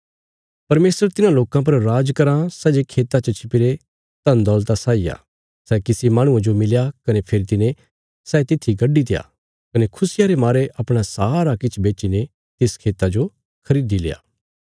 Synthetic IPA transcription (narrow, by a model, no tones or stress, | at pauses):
pɐɾmeːsəɾt̪ɪnãloːkãp̬ɐɾɾaːd͡ʒkɐɾãsɛːd͡ʒekʰeːt̪at͡ʃɐt͡ʃʰɪpɪɾe | t̪ɐ̃nd̪ɔːlt̪asaːija̰ | sɛːkɪsimaːɽ̃ʊ̃ãd͡ʒomɪljakɐnepʰeɾit̪ɪnẽ | sɛːt̪ɪt̪ʰːiɡɐɖːit̪ɪja̰ː | kɐnekʰʊsɪjaɾemaːɾeʔɐpɽ̃asaːɾakɪt͡ʃʰbeːt͡ʃine | t̪eskʰeːt̪ad͡ʒo | kʰɐɾiːd̪ilḛːa̰ː